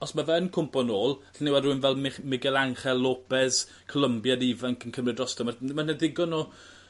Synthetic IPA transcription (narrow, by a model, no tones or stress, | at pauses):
ɔsmavɛnkʰʊmpɔnoːlˠɬnɪwadruənvɛlˠmɪmɪɡɛlˠaŋχɛlˠːoːpɛs | kʰɔlˠəmbjadivaŋkʰənkʰəmrɪdrɔstɔmamanɛdɪɡɔno